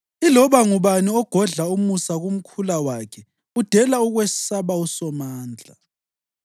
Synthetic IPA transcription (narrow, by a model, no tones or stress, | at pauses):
ilɔβaŋuβaniɔɡ̥ʱɔɮaumusaɣum̩kʰulawakʰɛ | ud̥ʱɛlauɣwesi̥saβausɔmaːnd͡ɮʱa